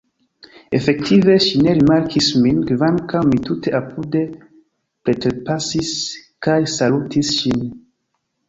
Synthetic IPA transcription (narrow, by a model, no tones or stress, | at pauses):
e̞fek̚tive̞ʃine̞ɾimaɾkisminɡvankawmituteʔapude | pɾetɾepasiskajsalutʰisʃin